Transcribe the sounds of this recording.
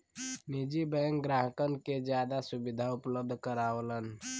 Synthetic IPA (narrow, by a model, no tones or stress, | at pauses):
nid͡ʒibəŋkɡɾaɦəkənked͡ʒjad̪asubid̪ʱaupləb̚d̪ʱkəɾaələn